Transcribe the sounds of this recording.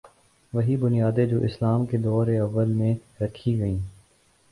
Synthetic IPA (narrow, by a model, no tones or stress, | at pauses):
ʋɐɦibʊnijaːd̪ed͡ʒoːʔɪslaːmked̪ɔːɾeɐʋːəlmẽɾɐkʰiɡɐĩː